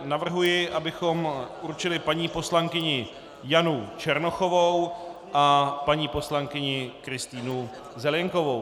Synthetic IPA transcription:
navr̩ɦujɪʔabɪxo̞mʔurt͡ʃɪlɪpaɲiːpo̞slaŋkɪɲɪ | janut͡ʃɛɾnoxo̞vowʔapaɲiːpo̞slaŋkɪɲɪkɾɪst̪iːnu | zɛlɛŋko̞vo̞w

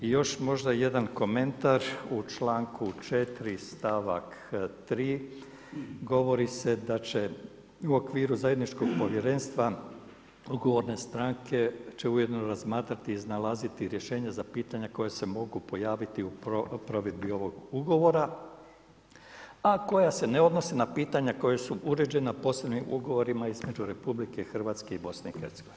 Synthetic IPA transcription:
ijo̞ʃmo̞ʒd̪aje̞d̪anko̞me̞nt̪aɾut͡ʃlaːŋkʰut͡ʃe̞t̪ɾist̪aʋa̰kt̪ɾiː | ɡo̞ʋo̞ɾise̞d̪at͡ʃe̞ | uo̞kʋiːɾuzajed̪nit͡ʃko̞ɡ̚po̞ʋjeɾe̞ːnst̪ʋa | uɡo̞ʋo̞ɾne̞st̪ɾaŋkʰe̞t͡ʃe̞uje̞d̪no̞ɾazmaːt̪ɾat̪iːznalazit̪iɾje̞ʃe̞ːɲazapiːt̪aɲako̞jese̞mo̞ɡupo̞jaːʋit̪iupɾo̞ʋed̪̚bio̞ʋo̞ɡuɡo̞ʋo̞ɾa | ako̞jase̞neo̞d̪no̞senapiːt̪aɲako̞jesuʔuɾe̞d͡ʒe̞napo̞ːslebnimʔuɡo̞ʋo̞ɾimaizme̞d͡ʒuɾe̞publike̞xr̩ʋaːt̪ske̞ibo̞sneixḛɾt̪seɡo̞ʋin

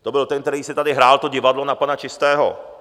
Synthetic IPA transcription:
t̪obɪlt̪ɛnk̚t̪ɛɾiːsɪt̪adɪɦɾaːlt̪o̞ɟɪvadlo̞napanat͡ʃɪst̪ɛːɦo̰

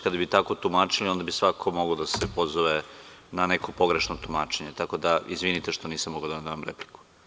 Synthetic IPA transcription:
kad̪abit̪ako̞t̪umaːt͡ʃilio̞nd̪abisʋakʰo̞mo̞ɡod̪asepo̞zoʋenaneko̞po̞ɡɾeʃnot̪umaːt͡ʃe̞ɲet̪ako̞d̪aizʋinit̪eʃt̪o̞niːsamoɡaod̪ad̪amamɾepliku̥

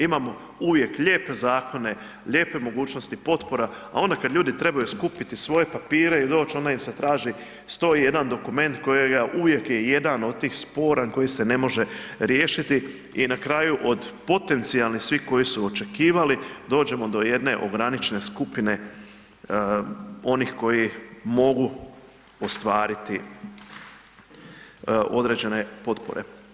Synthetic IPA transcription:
imamo̞ | uʋje̞kʎeːpe̞zaːko̞ne̞ | ʎe̞ːpe̞mo̞ɡuːt͡ʃnost̪ipo̞t̪po̞ɾaa̰o̞nd̪akad̪ʎʲuːd̪it̪ɾe̞bajuskupit̪isʋo̞je̞papiːɾe̞id̪o̞ːt͡ʃo̞nd̪aimset̪ɾaːʒi | st̪o̞ije̞d̪and̪o̞kume̞nt̪ko̞jeɡaʔuʋje̞kje̞je̞d̪ano̞d̪̚t̪iːxspo̞ːɾaŋko̞jise̞ne̞mo̞ʒe̞ɾje̞ːʃit̪i | inakɾaːjuʔo̞d̪po̞t̪e̞nt̪sialnisʋiko̞jisuo̞t͡ʃe̞kiːʋalid̪o̞ːd͡ʒe̞mo̞d̪o̞je̞d̪ne̞ʔo̞̰ɡɾanit͡ʃene̞skupine̞ | o̞nixko̞jimo̞ɡu | o̞st̪ʋaːɾit̪i | o̞d̪ɾe̞d͡ʑe̞ne̞po̞t̪po̞̰ɾe̞̰

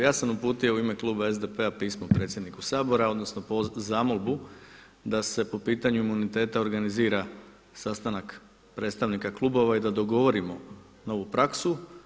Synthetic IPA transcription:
jaːsamupuːt̪iouime̞klˠuːbae̞zd̪e̞pe̞apiːsmopɾe̞t̪sjed̪nikusaːbo̞ɾao̞d̪no̞sno̞pozamolˠbu | d̪ase̞po̞piːt̪aɲuimunit̪e̞ːt̪aoɾɡaniziːɾa | sast̪anak | pɾet̪st̪aʋnikaklˠubo̞ʋaid̪ad̪o̞ɡo̞ʋo̞ɾimo̞ | noʋupɾaksu

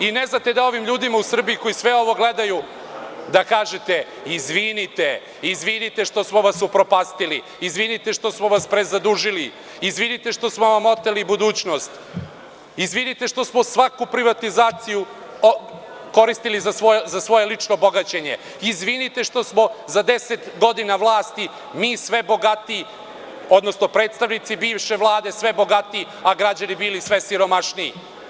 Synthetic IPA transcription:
ineznat̪e̞d̪ao̞ʋimʎuːd̪imausr̩biiko̞isʋe̞o̞ʋo̞ɡle̞d̪aju | d̪akaːʒet̪e | izʋinit̪e | izʋinit̪e̞ʂt̪o̞smo̞ʋasupɾo̞paːst̪ili | izʋinit̪e̞ʂt̪o̞smoʋaspɾezad̪uʒili | izʋinit̪eʂt̪o̞smo̞ʋamo̞t̪elibud̪uːt͡ɕno̞st̪ | izʋinit̪e̞ʂt̪o̞smo̞sʋakupɾiʋat̪izaːt̪siju | ko̞ɾist̪ilizasozasʋo̞jelit͡ʃnobo̞ɡat͡ɕe̞ɲe̞ | izʋinit̪e̞ʃt̪o̞smo̞zad̪e̞se̞t̪ɡo̞d̪inaʋlˠaːst̪i | miːsʋe̞bo̞ɡat̪i | o̞d̪no̞sno̞pɾet̪st̪aʋnit̪sibiːʋʃe̞ʋlˠaːd̪e̞sʋe̞bo̞ɡat̪iː | aɡɾad͡ʑanibilisʋe̞siɾo̞maʃniḭ

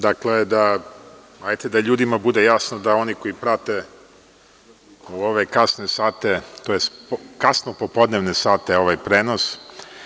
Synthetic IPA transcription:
d̪akled̪a | ajt̪ed̪aʎuːd̪imabud̪ejasnod̪ao̞niko̞ipɾat̪e̞ | uo̞ʋekasnesaːt̪e̞t̪ojespkasnopopo̞d̪neʋnesaːt̪eo̞ʋajpɾeːnos

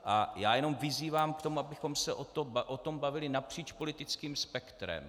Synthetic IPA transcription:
ʔa̰jaːjɛno̞mvɪziːvaːmkt̪o̞muʔabɪxo̞msɛʔot̪obʔot̪o̞mbavɪlɪnapr̝̥iːt͡ʃpo̞lɪt̪ɪt͡skiːmspɛkt̪ɾɛ̰m

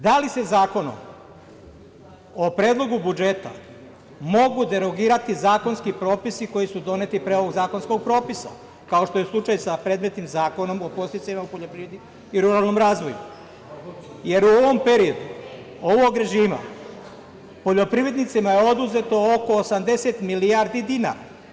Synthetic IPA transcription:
d̪alise̞zaːko̞no̰m | opɾeːd̪lˠo̞ɡubud͡ʒe̞t̪a̰ | mo̞ɡud̪e̞ɾo̞ɡiːɾat̪izaːko̞nskipɾo̞ːpisiko̞jisud̪o̞ne̞t̪ipɾe̞o̞ʋo̞ɡzaːko̞nsko̞ɡ̚pɾo̞ːpisa̰ | kao̞ʃt̪o̞jeslˠut͡ʃajsapɾe̞ːd̪me̞t̪nimzaːko̞no̞mo̞po̞st̪isaimaupoʎopɾiʋɾed̪i | iɾuɾalno̞mɾaːzʋo̞jṵ | je̞ɾuo̞ʋo̞mpe̞ɾio̞d̪u | o̞ʋoɡɾe̞ʒiːma̰ | po̞ʎo̞pɾiʋe̞d̪nit̪simajeo̞d̪uze̞t̪o̞oko̞ːsamd̪e̞set̪miliaɾd̪id̪ina̰ːɾa̰

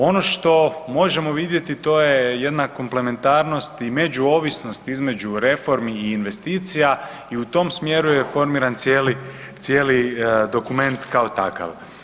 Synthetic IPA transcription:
o̞no̞ʃt̪o̞mo̞ʒe̞mo̞ʋid̪je̞t̪it̪o̞je̞je̞d̪nakomple̞me̞nt̪aːɾno̞st̪ime̞d͡ʑuoːʋisno̞st̪izme̞d͡ʒuɾe̞fo̞ɾmiːnʋe̞st̪iːt̪sija | iut̪o̞msmje̞ɾujefo̞ɾmiːɾant̪sjeːli | t̪sjeːlid̪o̞kume̞nt̪kao̞t̪a̰ka̰ʋ

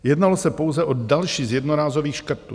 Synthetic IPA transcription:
jɛdnalo̞sɛpowzɛʔodalʃiːzjɛdnoɾaːzoviːxʃkr̩t̪ṵ

